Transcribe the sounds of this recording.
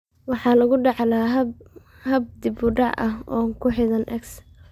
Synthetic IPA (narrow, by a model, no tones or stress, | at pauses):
wɑħɑːlɐɣʊɖɑʕlaɦɐb | hɐb̚d̪ɪbʊɖɑʕʔɐhɔːkʰʊħɪðɐnʔɛks